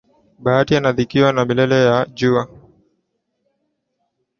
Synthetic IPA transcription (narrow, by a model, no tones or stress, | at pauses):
ɓaatianaðikiɔnamilɛlɛjad͡ʒua